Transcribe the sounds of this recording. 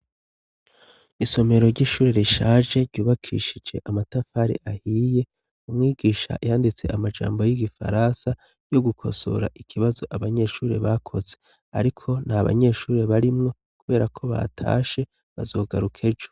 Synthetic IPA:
iso̞me̞ɾo̞ɾɟiːʃuːɾeɾiʃaʒe̞ɾɟuːβakʰḭʃid͡ʒe̞ʔamatafaɾiʔahiːje̞ | umŋiːɡiːʃa̰jaːndit͡se̞amad͡ʒa̰ːmbo̞jiɡifa̰ɾansa | jo̞ɡukʰo̞̰so̞̰ɾa̰ʔikʰiβazo̞ʔaβaɲe̞ʃuːɾeβakʰo̞ze̞ | a̰ɾikʰo̞nhaβa̰ɲe̞ʃuːɾeβaɾimŋo̞ | kuβe̞ːɾakʰo̞βa̰tʰa̰ːʃe̞ | βa̰zo̞ːɡaɾukʰe̞d͡ʒo̥

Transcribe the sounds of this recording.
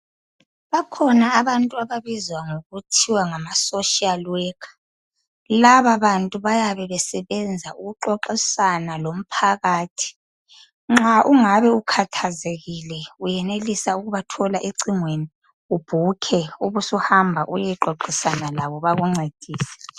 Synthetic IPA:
βakʰɔnaːβantʼuaβaβizwaŋoɣutʰiwaŋamasoʃialwɛkʰḁ | laβaβantʼuβajaβɛβɛsɛβɛnd͡zʱauɣuǃɔǃisanalom̩pʰaɣaːtʰi̥ | ŋ͡ǁaʔuŋaβɛukʰatʰazeɣilɛujɛnelisauɣuβatʰɔlaʔeǀiŋweni | ub̥ʱukʰɛuβusɔhambʱaʔujɛǃɔǃisanalaβɔβaɣuŋ͡ǀed̥ʱiːsɛ̥

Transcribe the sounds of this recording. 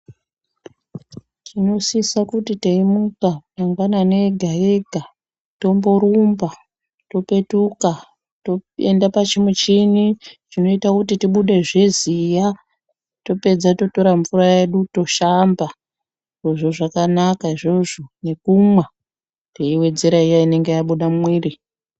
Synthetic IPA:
tʰino̞siisakutiteimukataŋɡanane̞ɡʱae̞ɡʱa | to̞mbo̞ɾumba | to̞pe̞tuka | toḛndapat͡ʃimut͡ʃiniʐino̞itakutitiɓuɗeʐezija | to̞pe̞d͡zato̞to̞ɾaɱvuɾaje̞ɗuto̞ʃamba | iʐo̞ʐoʐakanakaiʐo̞ʐo̞ne̞kumwe | teiwe̞d͡ze̞ɾaijaine̞ŋɡejaɓuɗamwiːri

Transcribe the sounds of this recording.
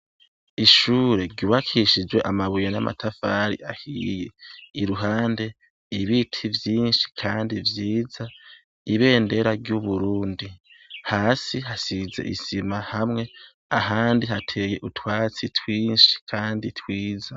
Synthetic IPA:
iʃuːɾe̞ɾɟuβakʰiʃid͡ʒwe̞ʔamaβujona̰ma̰tʰafaɾḭʔahijeiɾuɦaːnde̞ | iβitʰivjiːnʃi̥kʰaːndivjiːza | iβe̞ːnde̞ɾaɾɟuβuɾuːndi | haːsiɦasize̞̰ʔisimahamŋe̞ | aɦaːndiɦatʰejeʔutʰwaːt͡sitʰwiːnʃi̥kʰaːnditʰwiːza

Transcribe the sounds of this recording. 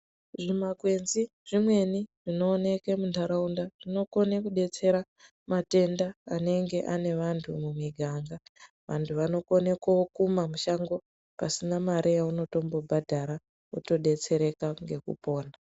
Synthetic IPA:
ʐimaɡʱwe̞nzi | ʐimwe̞niʐino̞ːne̞ke̞mundʱaɾaundaʐ̥ino̞ko̞nekuɗe̞t͡se̞ɾa | mate̞ndaːne̞ŋɡe̞ʔane̞ʋantʰumumwiɡʱaŋɡa | ʋantʰuʋano̞ko̞ne̞kaokumamuʃaŋɡo̞ | pasinamaɾʔejauno̞to̞mbo̞bʱadʱaɾa | uto̞ɗe̞t͡se̞ɾe̞kaŋɡe̞kṵpo̞ːna

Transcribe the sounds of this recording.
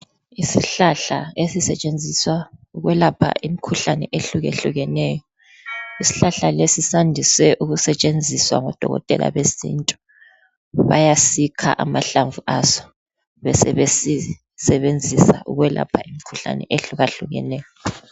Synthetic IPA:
isiɬaɬaesisɛt͡ʃʼend͡zʱiswauɣwɛlapʰa̰ʔimikʰuɬanɛ̰ʔeɬuɣḛɬuɣɛnɛːjɔ | isi̥ɬaɬalesisandʱiswɛʔuɣusɛt͡ʃʼend͡zʱiswa̰ŋɔd̥ʱɔ̰ɣɔ̰tʼɛ̰lʔa̰βesḭntʼu | βajasikʰa̰ʔamaɬaɱvuasɔ̥ | βɛsɛβesi | sɛβend͡zʱisa̰ʔṵɣwɛla̰pʰaimikʰuɬa̰nɛ̰ʔeɬuɣaɬuɣɛ̰nɛːjɔ

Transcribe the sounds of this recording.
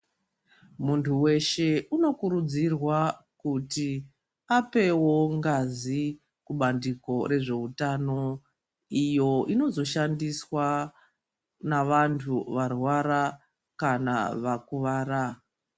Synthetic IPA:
muntʰuwe̞ʃe̞ʔuno̞kuɾud͡zirwa | kuti | ape̞wo̞ŋɡazi | kuɓandiko̞ɾe̞ʐe̞utano̞ | ijo̞ino̞zo̞ʃandiswa | naʋantʰuʋarwaɾa | kana̰ʋakuʋaːɾa

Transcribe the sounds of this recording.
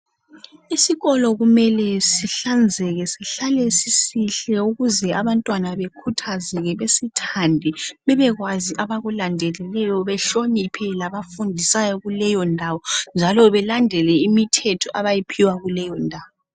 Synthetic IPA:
isiɣɔlɔɣumɛlɛsiɬand͡zʱɛɣɛsiɬalɛsisiɬɛuɣuzɛaβantʼwanaβekʰutʰazɛɣɛβesitʰandʱiβɛβɛɣwaziʔaβaɣulandʱɛlɛlɛjɔβɛɬonipʰɛlaβafundʱisajɔɣulɛjɔndʱawɔnd͡ʒʱalɔβɛlandʱɛlɛimitʰɛtʰɔʔaβajipʰiwaɣulɛjɔndʱaːwɔ

